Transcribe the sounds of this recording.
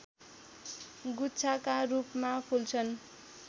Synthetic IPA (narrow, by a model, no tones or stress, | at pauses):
ɡutːt͡sʰakaɾupmapʰult͡sʰʌn